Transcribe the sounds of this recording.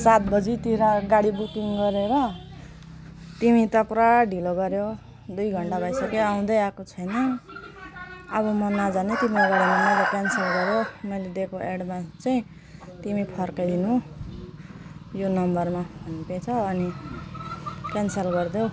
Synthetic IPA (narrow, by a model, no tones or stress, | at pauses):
sat̪̚bʌd͡zit̪iɾaɡaɽibukiŋɡʌɾeɾʌ | t̪imit̪ʌpraɖʱiloɡʌɾjo | d̪ujɡʱʌɳʈabʱʌjsʌkeaw̃d̪ʌjakot͡sʰʌjnʌ | βʌmʌnad͡zanet̪imiɾoɡaɽimaaaɾʌkansʌlɡʌɾjomʌjled̪ekoʔeɽmat͡saĩ | t̪imipʰʌrkʌd̪inũ | jonʌmbʌrmabʱʌnipet͡sʰʌːni | kansʌlɡʌrd̪jo